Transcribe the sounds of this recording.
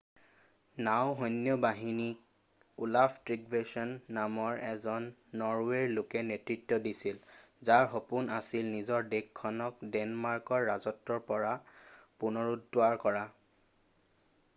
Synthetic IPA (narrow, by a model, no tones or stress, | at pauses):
nawɦɔjnːjɔbaɦinik̚ | ulapʰtɹiɡɹesɔnːamɔɹɛzɔnːɔɹweɹlokɛnetɹitːɔdisilzaɹxopunasilnizɔɹdekʰːɔnɔkdɛnmaɹkɔɹːazɔtːɔɹpɔɹapunɔɹudːʊaɹkɔɹa